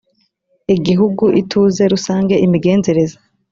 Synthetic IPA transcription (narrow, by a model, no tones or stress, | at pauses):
iɡiɦuɡuʔitʰuːze̞ɾusaːŋɡe̞ʔimiɡe̞ːnze̞ɾe̞za